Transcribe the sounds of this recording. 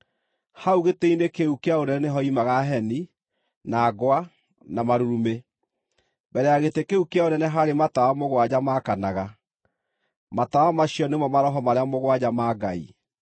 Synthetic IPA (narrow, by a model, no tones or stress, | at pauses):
hauɣeteinekeukeaonɛɛneɦɔimaɣaɦɛni | naːɡwa | namaɾuɾume | bɛɾɛaɣetekeukeaonɛnɛɦaɾematawamoɣwad͡ʑamakanaɣa | matawamaɕiɔnemɔmaɾɔɦɔmaɾeamoɣwad͡ʑamaɡaḭ